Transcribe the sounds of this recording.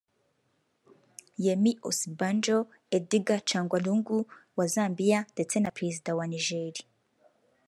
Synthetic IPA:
jemiʔosiband͡ʒo | ediɡat͡ʃaːŋɡwaluːŋɡuwazaːmbijandet͡senapɾezidawaniʒeɾi

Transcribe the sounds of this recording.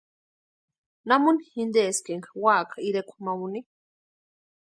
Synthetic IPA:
namunihind̪eskeŋkawaːkaiɾekʷʰmawuni

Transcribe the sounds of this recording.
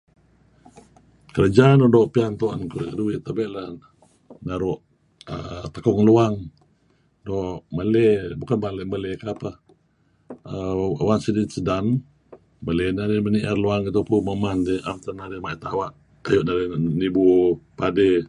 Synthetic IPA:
kəɾad͡ʒaːnodɔʔpiant̪oa̰nkukəduwɪʔt̪abɛʔlah | naɾʊʔ | ə̰t̪akɔŋluaŋ | dɔʔʔməlɛbukanbalɛʔməlekaapa | əwansədisədan | məlɛnademəniʔarluaŋit̪̬upuməmand̪iʔamt̪anaɾemaʔit̪awaʔ | ajoʔnaɾenibupade

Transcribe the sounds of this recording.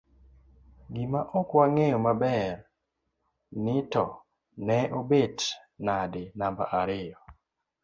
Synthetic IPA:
ɡɪmaʔɔkwaŋejɔmabɛr | nɪtɔ | nɛobet | nadɪnamba̰ʔaɾɪjɔ

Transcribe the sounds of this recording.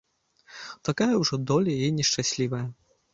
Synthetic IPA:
t̪akajɐwʐɔd̪ɔlʲɐinʲɛʂt͡ʂasʲlʲivɐjɐ

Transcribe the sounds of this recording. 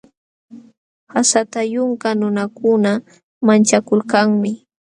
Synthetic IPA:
hasat̪ajʊŋkanʊnakʊna | mant͡ʃakʊlkaŋmɪ

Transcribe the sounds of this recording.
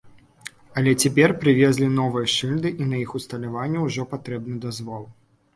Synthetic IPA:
ɐlʲɛt͡sʲɛpʲɛrpɾɨvʲɛzʲlʲinɔvɨjɐʂɨlʲd̪ɨʔinɐjixust̪ɐlʲavanʲːɛwʐɔpat̪ɾɛbnɨd̪azvɔlˠ

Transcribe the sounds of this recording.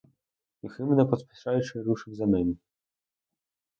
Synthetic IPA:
ixɘmnɛpɔt̪pʲi̥ʂajʂɘɾuʂɘvzamʲɛni

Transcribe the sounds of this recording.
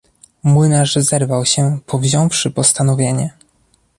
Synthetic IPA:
mwɘnaʐzɛɾvawɕɛpʰɔvʑɔ̃w̃fʂɘpɔst̪an̪ɔvʲjeɲɛ

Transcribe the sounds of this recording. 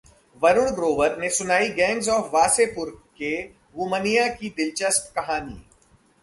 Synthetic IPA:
ʋɐɾʊɽ̃ɡɾoːʋəɾnesʊnaːiɡɛ̃ːŋɡzɔːfʋaːsepʊɾke | ɦuːmənijakid̪ɪlt͡ʃəsp̪kɐɦaːnḭː

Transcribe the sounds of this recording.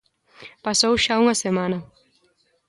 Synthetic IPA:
pasowʃauŋɐsemãnɐ

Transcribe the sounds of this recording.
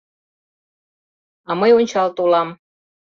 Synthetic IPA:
ɑməjonʲt͡ɕɑlt̪olɑm

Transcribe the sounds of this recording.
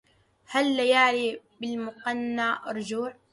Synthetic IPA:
halːajaʕliːbɪlmʊqɑnːaːɾˤd͡ʒuːʕ

